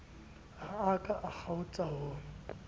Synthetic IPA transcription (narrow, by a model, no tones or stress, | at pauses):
aːkʼaʔak͡xʰaʊt͡sʼaɦʊ